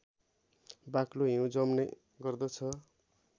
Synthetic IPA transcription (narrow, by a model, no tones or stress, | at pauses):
bakloɦĩũd͡zʌmne | ɡʌrd̪ʌt͡sʰʌ